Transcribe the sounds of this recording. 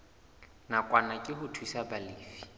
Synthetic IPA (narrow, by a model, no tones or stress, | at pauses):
nakʼwanakʼɪhʊtʰwisabalɪːfi̥